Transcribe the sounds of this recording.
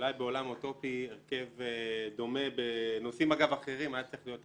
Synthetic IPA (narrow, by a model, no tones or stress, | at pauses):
ulajbe̞o̞lamotopieʁke̞vd̪o̞me̞beno̞simaɡavaχe̞ʁimajad̪̚t͡siχlijo̞t